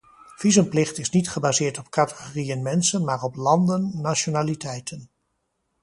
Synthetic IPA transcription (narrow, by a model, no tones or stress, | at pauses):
v̥izəmplɪχtɪsnitχəbaːzɪːɹtɔp̚katə̥χorijənmɛnsənmaːɹɔplɑndənːaʃonaːlitɛjtʰən